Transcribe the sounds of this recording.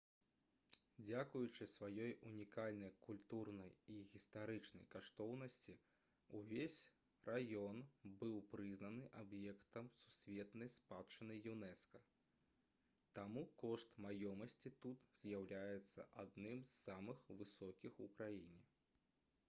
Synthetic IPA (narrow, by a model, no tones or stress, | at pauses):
d͡zʲakujut͡ʂɨsvajɔjunʲikalʲnɐjkulʲt̪urnɐjiɣʲist̪aɾɨt͡ʂnɐ̰jkaʂt̪ɔwnɐsʲt͡sʲi | uvʲesʲ | rʔajɔnbɨwpɾɨznɐnɨʔabjɛkt̪ɐmsusʲvʲɛt̪nɐjspat̪t͡ʂɨnɨjunɛskɐ | t̪amukɔʂt̪majɔmɐsʲt͡sʲit̪ut̪z̥ʲjawlʲajɛt̪sːɐ̰ʔad̪nɨmzːamɨxvɨsɔkʲixukɾajinʲi